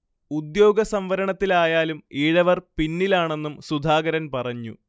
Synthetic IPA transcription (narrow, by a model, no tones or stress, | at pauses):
ud̪jo̞ːɡɐsɐmʋɐɾɐɳɐt̪ːilaːjaːlumiːɻɐʋɐrpinːilaːɳe̞nːumsud̪ʱaːɡɐɾɐnpɐrɐɲːṵ